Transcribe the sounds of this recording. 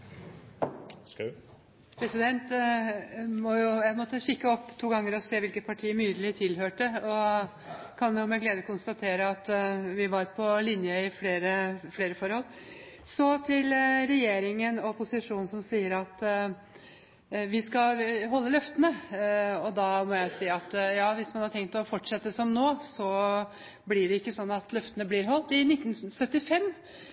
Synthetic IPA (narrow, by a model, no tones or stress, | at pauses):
pʰɾɛsɪd̪ɛnt̪ | mɔjʊjæmɔt̪ːəçɪkːəɔpːt̪ʰuːɡɑŋːəɾɔseːʋɪlkət̪̚pʰɑʈʰiːəmyːd̪əlɪt̪ʰɪlhøːʈəɔ | kʰɑnjʊmɛɡleːd̪əkʰʊnst̪ɑt̪ʰeːɾəɑt̪ʋɪʋɑɾpʰɔlɪnjəɪfleːɾəfleːɾəfɔɾhɔlː | sɔt̪ʰɪlɾɛjeːɾɪŋənɔpʊsɪʂuːnn̩sɔmsiːəɾɑt̪ | ʋɪskɑɦɔlːəlœft̪ənəɔd̪ɑːmɔjæɪsiːɑt̪jɑːʋɪsmɑnhɑɾʈ̪ʰɛŋk̚t̪ɔfɔʈʂɛt̪ːəsɔmnoːsɔ | blɪɖɛɪkːəsɔnːɑt̪lœft̪ənəblɪɾɦɔlt̪ɪnɪt̪ːnsœt̪ːɪfɛmː